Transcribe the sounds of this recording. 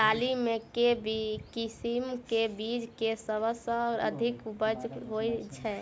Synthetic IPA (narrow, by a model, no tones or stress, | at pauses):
alimekebikisimkebid͡ʒkesəbəsəɾə̰d̪ʱikubəd͡ʒɦojt͡ʃʰɛ